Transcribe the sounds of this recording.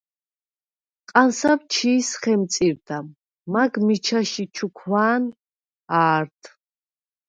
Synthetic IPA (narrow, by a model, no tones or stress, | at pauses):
qʼansavt͡ʃʰiːsχɛmt̪sʼiɾd̪a | maɡmit͡ʃʰaʃit͡ʃʰukʰwaːn | aːɾt̪ʰ